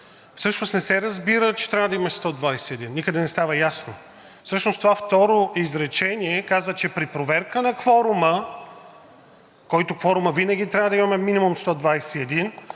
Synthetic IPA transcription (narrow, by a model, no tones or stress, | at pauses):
fsɤʃnosnɛsɛɾɐzbiɾət͡ʃɛ̥t̪ɾʲavəd̪ɐimɐst̪ɔd̪vajsɛɛd̪inːikəd̪ɛnɛst̪avɐjasno | fsɤʃnost̪ovaft̪ɔɾoizɾɛt͡ʃɛniɛkazvət͡ʃɛpɾipɾovɛɾkənɐkvɔɾʊmə | kɔjt̪okvɔɾʊməvinɐɡ̟ʲit̪ɾʲavəd̪ɐimɐmɛminimumst̪ɔd̪vajsɛɛd̪in